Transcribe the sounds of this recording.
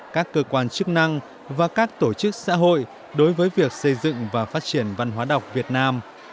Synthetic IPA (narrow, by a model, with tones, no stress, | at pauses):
kaː˦˥kːəː˧kwaː˧nt͡ɕɨ˦˥k̚na˧ŋ | vaː˨˩kaː˦˥k̚t̪o˧˩t͡ɕɨ˦˥k̚sa̰ː˧˥ɦo̰˧˨j | ɗo˨˦jvəː˨˦jvi˨˩ək̚sə˧jzɨ̰˧˨ŋvaː˨˩faː˦˥t̚t͡ɕi˧˩ənva˧nɦwaː˨˦ɗə˨˩wk͡p̚vi˨˩ət̚naː˧m